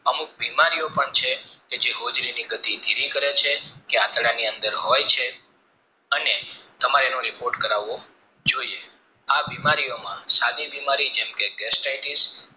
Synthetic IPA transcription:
əmuk̚bimaɾijopəɳt͡ʃʰeked͡ʒeɦod͡ʒɾiniɡət̪id̪ʱiɾikəɾet͡ʃʰekeat̪ɽaniənd̪əɾɦojt͡ʃʰe | ənet̪əmaɾenõɾipoɾʈkəɾaʋːo | d͡ʒoie | abimaɾijomãsad̪ibimaɾid͡ʒɛmkeɡɛsʈajʈis

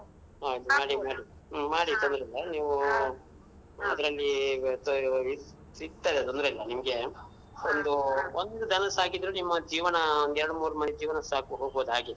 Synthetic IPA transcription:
ɦaːid̪umaːɽimaːɽi | maːɽit̪ond̪ɾɐlːɐniːʋu | ɐd̪ɐɾɐlːit̪i | it̪ːajd̪et̪ond̪ɾɐilːɐnimɐɡe | ond̪uond̪ud̪ɐnɐsaːkid̪ɾunimːɐd͡ʒiːʋɐnɐond̪ɛɾɐɽumuːɾumɐned͡ʒiːʋɐnɐsaːkuɦo̞ːɡboːd̪uaːɡid̪

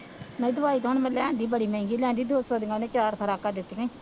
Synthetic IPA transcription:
nəid̪ʊʋaːiːt̪ɦʊnmɛ̃lɛːnd̪iːbəɽiːmẽːŋɡiːlɛ̃ːnd̪iːd̪oːsɔːd̪ɪŋɡanẽːt͡ʃaːɾpʰəɾaːkad̪ɪt̪ːɡẽ

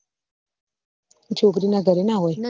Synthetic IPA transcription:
ntoɡɾinaɡaɾinawaj

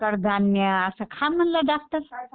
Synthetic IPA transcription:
kəɾd̪ʱanːjəːsəkʰamːənlaɖak̚t̪əɾ

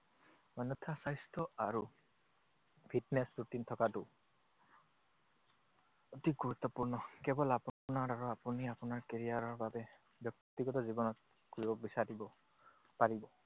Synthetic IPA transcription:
manut̪ʰasajstʰɔaɹu | pʰitnesɹutintʰɔkatʊ | otik̚ɡuɹut̪ːɔpuɹnɔkɛbɔlapnaɹaɹuapuniapunaɹkeɹijaɹɔɹbabɛ | bjɔk̚t̪t̪iɡɔtɔzibɔnɔt̚ | koɹibɔbisaɹibɔ | paɹibɔ

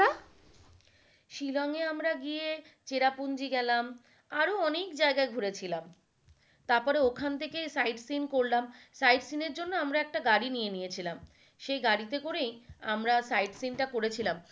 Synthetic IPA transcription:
a | ʃilɔŋeamɾaɡiet͡ɕeɾapund͡ʑiɡɛlam | aɾoɔnekd͡ʑaeɡaeɡʱuɾet͡ɕʰilam | t̪aɾpɔɾeokʰant̪ʰekejsajɖsinkoɾlamsajʈsineɾd͡ʑonːoamɾaɛk̚ʈaɡaɾinijenijet͡ɕʰilam | ʃejɡaɽit̪ekoɾejamɾasajʈsinʈakoɾet͡ɕʰilam

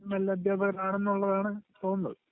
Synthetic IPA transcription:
nɐlːɐd̪ʱjaːbɐɣɐɾnaːɳe̞nːuɭːɐðaːɳɨt̪o̞ːnːɐðɨ

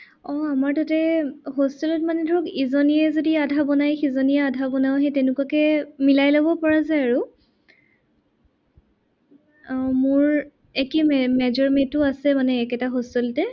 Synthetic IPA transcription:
ɔamaɹtatɛɦostɔlɔtmanɛdʱɔɹɔkizɔnijɛzodiadʱabɔnajxizɔniɛadʱabɔnawɦɛjtɛnʊkwakɛmilajlɔbɔpɔɹazajaɹu | mʊɹ | ɛkimɛmɛzɔɹmetʊasɛmanɛːkɛtaɦɔstɔlɔtɛ

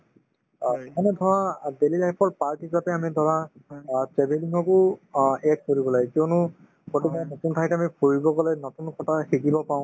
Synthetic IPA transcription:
ɛkʰanɛdʱɔɹadelilajpʰɔɹpaɹkɦisapɛamidʱɔɹa | tɹɛbeliŋɡɔkʊɛd̚koɹibɔlaɡɛkionʊ | kotikanotunpʰajtamipʰoɹibɔɡɔlɛjnɔtunkʰɔtaxikibɔpaw̃

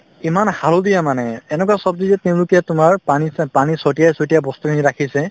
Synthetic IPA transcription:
imanhalodijamanɛɛnɛkwasɔb̚dizɛteʊ̃lʊkijatʊmaɹpanipanisotijajsotijabɔstukʰiniɹakʰisɛ

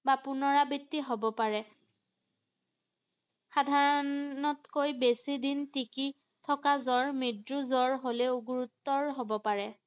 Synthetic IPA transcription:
bapʊnɔɹabitːiɦobɔpaɹɛ | xadʱaɹɔnɔtkojbesidintiki | tʰɔkazɔɹmidɹuzɔɹɦolɛuɡuɹutːɔɹɦobɔpaɹɛ

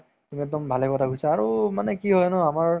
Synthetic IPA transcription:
tumiɛk̚dɔmbʱalɛkɔtʰaɡusaːɹumanɛkiɦɔjnʊamaɹ

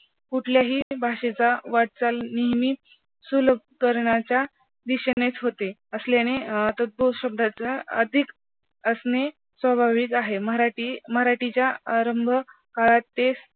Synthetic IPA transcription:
kuʈʰljaɦiːbʱaɕet͡saʋaɽ̚t͡salniɦmiː | suləb̚ | kəɾɳat͡ɕja | d̪iɕənet͡sɦot̪eəsljanet̪ət̪̚boɕəb̚d̪ʱat͡saə̰d̪ʱik | əsne | sʋəbʱaʋikaɦeməɦɾaʈiməɦɾaʈit͡ɕjaaɾəmbʱə | kalat̪ːes

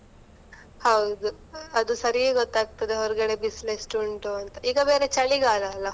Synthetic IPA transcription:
hɐwd̪u | ɐd̪usɐɾijeɡɔt̪ːaːɡ̚t̪ɐd̪eɦɔɾuɡɐɽebislesʈuɳʈoɐnt̪ɐʔiːɡɐbeːɾet͡ʃɐɭiɡaːlɐːlːɐ

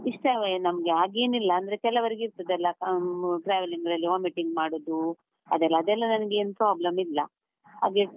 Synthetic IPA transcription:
iʂʈɐnɐmɐɡeaːɡe̞ːnilːɐːnd̪ɾe̞kɛlːɐʋɐɾiɡiɾt̪ɐd̪ɛlːɐkʈɾaːʋiliŋɡɾɐlːiʋaːmiʈiŋɡmaːɽoːd̪u | ɐd̪ɛlːɐːd̪ɛlːɐnɐnɐɡeeːnupɾaːblɐmilːɐ | a̰ːɡe

